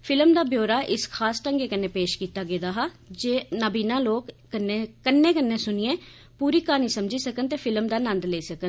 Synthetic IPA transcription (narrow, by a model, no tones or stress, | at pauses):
pʰɪlmd̪aːbjoːɾaːʔɪskʰaːsʈəŋɡeːkənːẽːpeːʃkiːt̪aːɡeːd̪aːɦaː | d͡ʒeːnəbiːnãːloːkː | ənːeːkənːẽːkənːẽːsʊnɪẽː | puːɾiːkaːniːsəmd͡ʒiːsəkənt̪eːpʰɪləmd̪aːnənd̪leiːsəkən